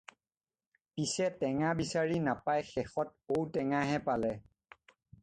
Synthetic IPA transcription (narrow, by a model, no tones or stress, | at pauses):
pisɛtɛŋabisaɹinapajxɛxɔt̚owtɛŋaɦɛpalɛ